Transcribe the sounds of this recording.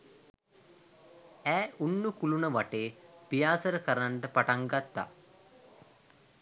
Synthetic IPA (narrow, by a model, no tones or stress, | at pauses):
æːunːukulunəʋaʈeːpijaːsəɾəkəɾaɳʈəpaʈaŋɡat̪ːa̰